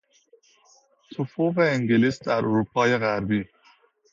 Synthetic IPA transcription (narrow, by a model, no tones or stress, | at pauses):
t̪ʰofoveeŋɡeliːsd̪æɾʔoɾuːpʰɒːjeɣæɾbiː